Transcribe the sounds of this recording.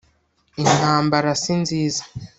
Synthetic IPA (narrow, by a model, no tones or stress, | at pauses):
in̥haːmbaɾasinziːzḁ